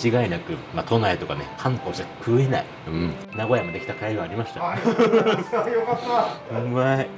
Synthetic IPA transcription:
t͡ɕiɡainakɯ̟mat̪ʰo̞naet̪o̞kanehãŋt̪oːɕakʰɯ̟ːe̞na̰i | ɯ̟̃ɴ | naɡo̞jamod̪e̞kʲi̥t̪akaiɡɯaːɾʲimaɕi̥t̪a | jokat̪ːaɯmai

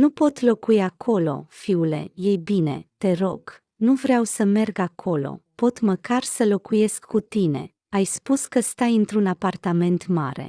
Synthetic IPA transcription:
nupo̞t̪lo̞kuiakʰo̞lo̞̰fiule̞̰je̞jbine̞̰t̪e̞ɾo̞ɡ̥ | nuvɾeawsəme̞rɡakʰo̞lo̞̰po̞t̪məkarsəlo̞kuje̞skːut̪ine̞̰ | ajspuskəst̪ajɨnt̪ɾunapart̪ame̞nt̪maɾe̞̰

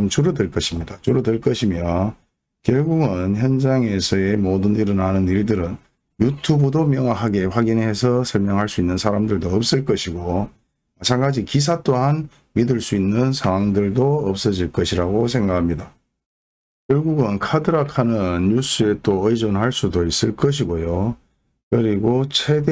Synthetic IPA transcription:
mt͡ɕuɾʌdweɭk͈ʌɕʰimɲidat͡ɕuɾʌdweɭk͈ʌɕʰimjʌ | kjʌɭɡuɡɯnçjʌnd͡ʑaŋe̞sʰʌe̞modɯniɾʌnanɯniɭdɯɾɯn | jutʰubɯdomjʌŋwaɦaɡe̞ɸwaɡinɦe̞sʰʌsʰʌɭmjʌŋɦaɭs͈uinːɯnsʰaɾamdɯɭdoʌp̚s͈ɯɭk͈ʌɕʰiɡo | mat͡ɕʰanɡad͡ʑikis̬ʰat͈oɦan | midɯɭs͈uinːɯnsʰaŋwaŋdɯɭdoʌp̚s͈ʌd͡ʑiɭk͈ʌɕʰiɾaɡos̬ʰe̞ŋɡakʰamɲida | kjʌɭɡuɡɯnkʰadɯɾakʰanɯnjus͈ɯe̞t͈oɯjd͡ʑonɦaɭs͈udois͈ɯɭk͈ʌɕ̬ʰiɡojo | kɯɾiɡot͡ɕʰe̞d

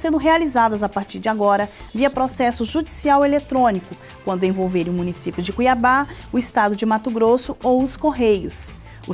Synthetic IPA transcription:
sẽnd̪ʊɦealizad̪ɐzapaɾt͡ʃiɾd͡ʒɪaɡɔɾɐviɐpɾosɛsʊʒud͡ʒisiawelet̪ɾõnikʊ | kwɐ̃nd̪ʊẽvowveɾĩʊmũnisipjʊd͡ʒɪkuiabaʊɪst̪ad̪ʊd͡ʒɪmat̪ʊɡɾosʊowʊskoɦejʊs | ʊ

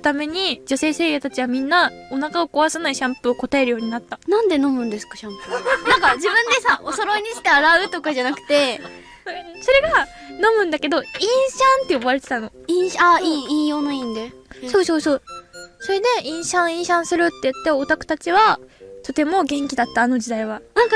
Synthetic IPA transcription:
t̪ame̞ɲ̟id͡ʑo̞se̞ːse̞ːɡet̪at͡ɕiβamʲĩnːaonakaokoβasanaiɕãmpoːko̞t̪ae̞ɾɯ̟jo̞ːɲ̟inat̪ːanãnd̪e̞nõ̞mɯ̟̃nd̪e̞sɨ̥kḁɕãmpɯnãŋkad͡ʑibɯ̟̃nd̪e̞saʔosoɾoɲ̟iɕi̥t̪e̞aɾaɯ̟t̪o̞kaʑanakɯ̟̥t̪e̞ | so̞ɾe̞ɡa | no̞mɯ̟̃nd̪ake̞d̪o̞ĩɰ̃ɕãnt̪ːeoβaɾe̞t̪e̞t̪ano̞ĩɰ̃ɕaiĩjo̞ːnoĩnd̪eso̞ːso̞ːso̞ːso̞ɾe̞d̪e̞ĩɰ̃ɕãɰ̃ĩɰ̃ɕãɰ̃sɨɾɯ̟t̪ːe̞jɯ̟t̪ːe̞ot̪akɯ̟̥t̪at͡ɕiβat̪o̞t̪e̞mo̞ɡẽ̞ŋkʲid̪at̪ːaːno̞d͡ʑid̪aiβanãŋka

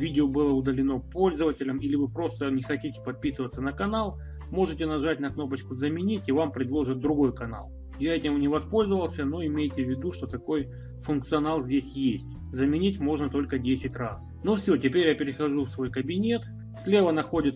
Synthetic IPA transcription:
vʲidʲɪobɨlˠəʊd̪əlʲɪno̞po̞lʲzəvətʲɪlʲəmilʲɪvɨpɾo̞st̪ənʲɪxɐtʲitʲɪ̥pɐt̪̚pʲisɨvət̪sːənəkɐnalˠ | mo̞ʐɨtʲɪnɐʐat̚ʲnɐkno̞p̬ət͡ɕkʊzəmʲɪnʲitʲivampɾʲɪd̪lˠo̞ʐɨt̪̚d̪ɾʊɡo̞jkɐna̰lˠ | jaɛtʲɪmnʲɪvɐspo̞lʲzəvəlˠsʲəno̞ɪmʲejtʲɪvʲːɪd̪uʂt̪o̞t̪ɐko̞j | fʊnk̚t̪sɨɐnalˠzʲdʲesʲjesʲtʲ | zəmʲɪnʲitʲmo̞ʐnət̪o̞lʲkədʲesʲɪtʲras | nufsʲo̞tʲɪpʲeɾʲjapʲɪɾʲɪxɐʐufsvo̞jkəbʲɪnʲe̞t̪ | fsʲlʲevənɐxo̞dʲɪt̪

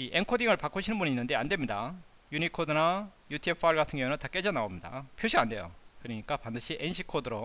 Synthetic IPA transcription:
iʔenkʰodiŋɯɭpak͈oɕʰinɯnbuninːɯnde̞andwe̞mɲida | junikʰodɯnajutʰjup̚pʰaɭɡatʰɯŋɡjounɯntak͈e̞d͡ʑanaomɲida̰pʰoɕʰiande̞jo̰kɯɾɯɲik͈apandɯɕʰiʔenɕʰikʰodɯɾo

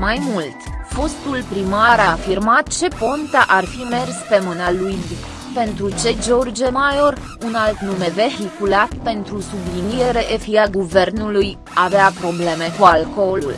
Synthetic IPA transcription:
majmult̪fo̞st̪ulpɾimaɾafirmat̪̚t͡ʃe̞po̞nt̪aʔarfime̞rspe̞mɨnalujd | pe̞nt̪ɾut͡ʃe̞d͡ʒo̞rd͡ʒemajo̞r | unalt̪numeve̞ɦikulat̪pe̞nt̪ɾusublinije̞ɾe̞ʔefiaɡuve̞rnuluj | aveapɾo̞ble̞me̞kualko̞lṵl

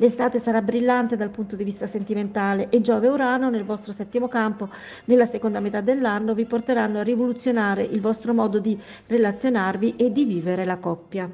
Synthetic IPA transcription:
lest̪aːt̪esaɾabɾilːant̪ed̪alpunt̪od̪ivist̪asent̪iment̪aːleʔed͡ʒɔːveuɾanːonelvɔst̪ɾosɛt̪ːimokampo | nelːasekond̪amet̪ad̪ːelːanːoviport̪eɾanːoarːivolut̪sːjonaːɾeʔilvɔst̪ɾomɔːd̪od̪i | relat̪sːjonarviʔed̪ːiviːveɾelakɔpːja

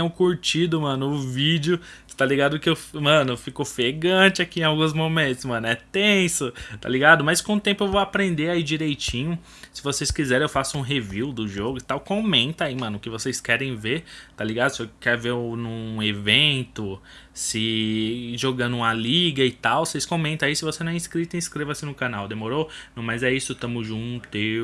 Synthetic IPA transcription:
ʊkuɾt͡ʃid̪ʊmɐ̃nʊʊvid͡ʒɪʊst̪aliɡad̪kɪewfmɐ̃nʊfikofeɡɐ̃t͡ʃɪakiẽawɡũzmomẽnt̪ʊ̥smɐ̃nʊɛt̪ẽsʊt̪a̰liɡad̪ʊmɐskõʊ̃t̪ẽmpʊewvowapɾẽnd̪eaid͡ʒiɾejt͡ʃĩɲʊ | sɪvosejskizɛɾẽewfasʊũɦeviwd̪ʊʒoɡʊit̪awkõmẽnt̪ɐaimɐ̃nʊkɪvosejskɛɾẽj̃veɾt̪aliɡad̪ʊsɪewkɛɾveɾʊnũevẽnt̪ʊ | sɪ | ʒoɡɐ̃nd̪ʊũmɐliɡɐɪt̪awsejskõmẽnt̪ɐ̃aisɪvosenɐ̃w̃ɛĩskɾit̪ɐɪĩskɾevɐsɪnʊkãnawd̪emoɾonɐ̃w̃mɐzɛisʊt̪ɐ̃mʊʒũt̪e

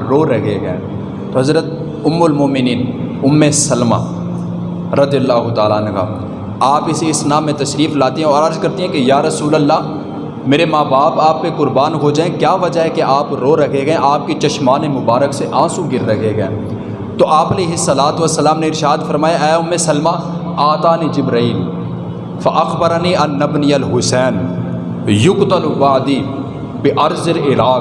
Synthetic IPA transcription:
ɾoːɾɐkeɡɐ̰ḛ̃ | t̪oɦɐzɾət̪ | ʊmːʊlmoːmɪniːnʊmːesɐlma̰ː | ɾɐd̪ijəlːaːɦʊt̪aːlaənka̰ː | aːpɪseɪsnaːmːẽt̪ɐʃɾiːflaːt̪iɦɛ̃ɔːɾɐɾzkɐɾt̪iɦɛ̃kejaːɾɐsuːləlːaː | meːɾemaːbaːpaːp̚ːekʊɾbaːnɦod͡ʒaːẽkjaːʋɐd͡ʒaɦɛkeʔaːpɾoːɾɐkʰeɡɐẽʔaːp̚ket͡ʃɐʃmaːnemʊbaːɾəkseʔãːsũɡɪɾːɐkʰeːɡɐḛ̃ | t̪oːʔaːpɐleːɦɪsːɐlaːt̪ʋɐsːəlaːmneɪɾʃaːd̪fɐɾmaːjaʔɛːɦʊmesɐlmaː | aːt̪aːnid͡ʒɪbɾiːl | fɐʔɐxbɐɾniːʔɐnːɐbniɐlɦʊsɛːn | jʊkt̪ɐlbaʕd̪iː | bɪʔɐɾzɪlɪlaːk

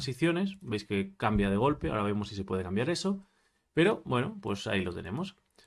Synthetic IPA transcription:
nsiθjo̞ne̞sbejskekambjað̞eɣ̞o̞lpeaoɾaβemosisepwe̞ð̞e̞kambjaɾe̞so | pe̞ɾo̞bwe̞nopwe̞sa̰ilo̞t̪e̞nẽ̞̰mo̞s

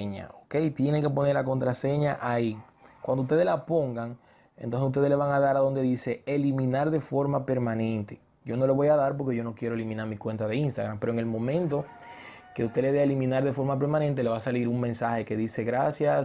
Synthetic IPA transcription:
ɲa̰oke̞jt̪je̞neŋkep̬o̞neɾlako̞nt̪ɾase̞ɲaʔai | kwand̪oust̪e̞ðe̞lapo̞ŋɡaŋ | ḛnt̪onsesust̪e̞ðele̞βaŋaðaɾaðo̞nd̪e̞ðiseelimĩnaɾðe̞fo̞ɾmape̞ɾmãnẽ̞nt̪e̞̥ | ɟ͡ʝo̞no̞lo̞βo̞jaðaɾp̬o̞ɾke̞ʝo̞no̞kje̞ɾoelimĩnaɾmikwe̞nt̪aðe̞inst̪aɣɾampe̞ɾoeŋe̞lmõ̞mẽ̞nt̪o̞ | ke̞ust̪e̞le̞eaelimĩnaɾðe̞fo̞ɾmape̞ɾmãnẽ̞nt̪̬e̞le̞βasaliɾuŋmẽnsahe̞ke̞ðise̞ɣɾasjas

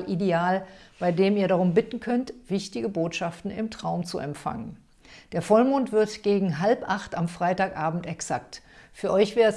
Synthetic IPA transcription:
lʔideaːlb̥aɪdeːmiːɐɾaʁ̞ʊmbɪtn̩kʰœntv̥ɪçtɪɡəboːtʃaftn̩ɪ̰mtʁ̥aʊmt͡sṵʔɛ̰mfa̰ŋən | d̥eːɐfɔlmuːntv̥ɪɐtɡ̥eːɡŋ̩ɦalpʔaχtamfʁ̥aɪtaːkʔaːbm̩tɛksak̚t | fyːɐʔɔʏçv̥ɛːɐʁɛs

